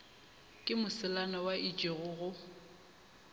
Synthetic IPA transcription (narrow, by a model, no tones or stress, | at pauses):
kʼɪmʊsɪlanɔwaʔit͡ʃʼeɣʊɣʊ